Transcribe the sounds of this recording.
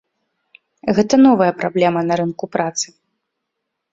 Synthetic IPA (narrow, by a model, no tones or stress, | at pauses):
ɣɛt̪ɐnɔvɐjɐpɾablʲɛmɐnɐɾɨnkupɾat̪sɨ̥